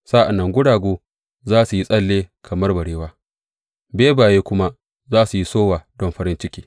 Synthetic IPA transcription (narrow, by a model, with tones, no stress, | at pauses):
saː˦ʔa˨nːɐ˦ŋɡʷʊ˦ɽaː˨ɡʷoː˦ | zaː˦su˨ji˦sʼɐ˦lːeː˦kʰɐ˨mɐ˦rbɐ˨ɽeː˦waː˦ | beː˦baː˨jeː˦kʷʊ˦ma˦ | zaː˦su˨ji˦soː˦waː˨dɔ˦mɸɐ˦ɾɪ˦nt͡ʃɪ˦kʲiː˦